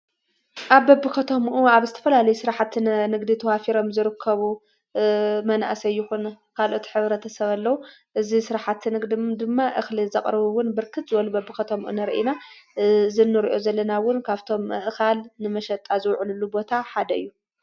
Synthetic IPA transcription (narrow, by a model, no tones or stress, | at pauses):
ʔaβbɐbːɨkʰɐt̪ʰomʔuaβzɨt̪ʰɐ̥fɐlalɐjusɨɾaħat̪nnɨɡd̪it̪ʰɐwafiɾo̞mzɨɾɨkʰːɐβu | mɐnʔasɐjːuxun | kʰalʔo̞t̪ʰħɨβɾɐt̪ʰɐsɐβɐlːɐwu | ʔɨzisɨɾaħat̪ːnɨɡd̪id̪ɨmːaʔɨxlizɐqʼɾɐβuwʊnbɨɾkʰɨt̪zɨwɐlubɐbːɨkɐt̪ʰomʔṵnɐɾʔina | zɨnːɨɾiʔo̞zɐlːɐnawʊnkʰaβt̪ʰo̞mːɨʔxalnɨmɐʃɐt̪ʼazɨwʕlulːubo̞t̪ʰaħad̪ɐɨjːu